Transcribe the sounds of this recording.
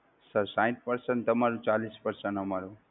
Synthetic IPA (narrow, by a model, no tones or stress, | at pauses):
səɾsãj̃t̪̚pəɾsənt̪əmaɾũt͡ʃalispəɾsənɦəmaɾu